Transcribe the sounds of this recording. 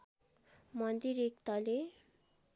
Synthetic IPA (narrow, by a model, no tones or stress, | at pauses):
mʌnd̪iɾekt̪ale